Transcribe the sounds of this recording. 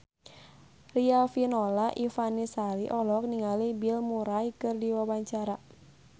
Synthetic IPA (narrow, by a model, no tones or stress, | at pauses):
riafinɔlaʔifanisaliʔɔlɔk̚niŋalibilmuɾajkɨrdiwawaɲt͡ʃaɾa